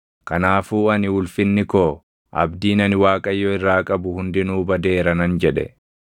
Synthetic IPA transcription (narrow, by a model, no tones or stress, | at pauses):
kɐnaːfuːɐnɪwʊlfɪnːɪkoː | ʔɐ̰bd̪iːnɐnɪwaːkʼɐjːɔɪrːaːkʼɐbʊhʊnd̪ɪnuːbɐd̪e̞ːɾɐnɐnd͡ʒɛᶑɛ̰